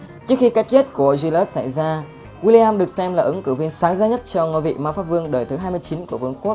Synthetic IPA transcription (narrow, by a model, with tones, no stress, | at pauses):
t͡ɕɨ˦˥ək̚xi˧ka˦˥k̚t͡ɕe˦˥t̚ku˧˩əzi˧lɔ˦˥t̚sa˧˩jzaː˧ | ɣwi˧li˧aː˧mɗɨ˨˩ək̚sɛ˧mlaː˨˩ʔɨ˨˦ŋkɨ˧˩vi˧ənsaː˨˦ŋzaː˧ɲə˦˥t̚t͡ɕɔ˧ŋo˧vḭ˧˨maː˧wfaː˦˥p̚vɨ˧əŋɗəː˨˩jt̪ʰɨ˨˦ɦaː˧jmɨ˧əjt͡ɕi˨˦nku˧˩əvɨ˧˩əŋku˦˥ək̚